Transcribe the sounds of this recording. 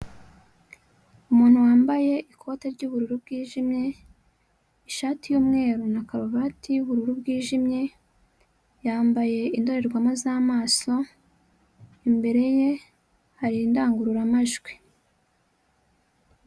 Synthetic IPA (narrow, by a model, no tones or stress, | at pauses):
umuːn̥huwaːmbaje̞ʔikʰo̞teɾɟuβuɾuɾub̚ɡiːʒimɲe̞ | iʃaːtijuːmŋe̞ːɾunakaɾoβatijuβuɾuɾubɡiːʒimɲe̞ | jaːmbaje̞indo̞ɾe̞ɾɡwamazaːmaːso̞ | imbe̞ɾe̞je̞ | haɾindaːŋɡuɾuɾamaʒɡwi